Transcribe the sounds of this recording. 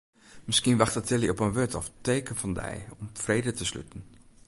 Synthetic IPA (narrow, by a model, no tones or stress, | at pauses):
mɪskinʋaχtatɪliɔpənʋøtʰɔ̰ftejkənfɑndɛ̰jɔmfrejdətəsly̰tən̩